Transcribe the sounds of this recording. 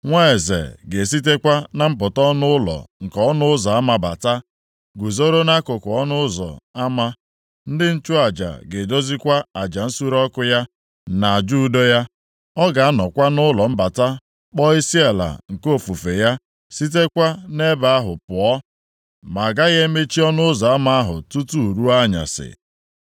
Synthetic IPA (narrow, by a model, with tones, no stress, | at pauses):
ŋʷa˦e˨zḛ˨ɡe˨s̬i˦t̬e˦kʷa˦na˨m̩˦pʊ˨tɔ˦nʊ˦ʊ˦lɔ̰˨ŋ̩˨kɔ˨˦nʊ˦ʊ˦za˨a˦ma˦ba̰˨ta˦ | ɡʷu˨zo˦ɾo˦na˦kʊ˨kʊ˨ɔ˦nʊ˦zɔ̰˨a˦ma˦ | n̩˦dɪ˦n̩˦t͡ʃʊ˦a˨d͡ʒa̰˨ɡe˨do˦zi˦kʷa˦a˨d͡ʒa˨n̩˦su˦ɾɔ˦kʊ˦ja˦ | na˨a˨d͡ʒu˦do˦ja˦ | ɔ˦ɡa˨a˦nɔ˨kʷa˦nʊ˦lɔ˨m̩˦ba˨ta˦ | k͡pɔ˦i˦si˦a˨la̰˨ŋ̩˨ko˦˨fu˨fe˨ja˦ | si˦t̬e˦kʷa˦ne˦ba˨a˦ɦʊ˨pʊ˨ɔ˦ | ma˨ɡa˦ɣe˦me˦t͡ʃi˦ɔ˦nʊ˦zɔ˨a˦ma˦a˦ɦʊ̰˨tu˦tu˦˨ɾu˦a˦ɲa̰˨sɪ̰˨